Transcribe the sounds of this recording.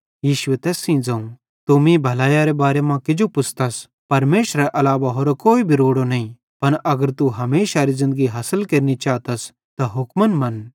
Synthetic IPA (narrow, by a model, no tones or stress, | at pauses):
jiːʃʊet̪ɛːsĩːd͡zãũ | t̪ʊmĩbʱɐlaːjaɾebaːɾemãkɪd͡ʒopʊsʰt̪ɐs | pɐɾmeːʃɾaʔɐlaːʋaɦoːɾokoːibʱiɾoːɽonɐĩ | pɐñʔɐɡəɾt̪uɦɐmeːʃaɾizɪ̃nd̪əɡiɦɐsəlkeːɾnit͡ʃaːt̪ɐs | t̪aɦʊkmənmɐn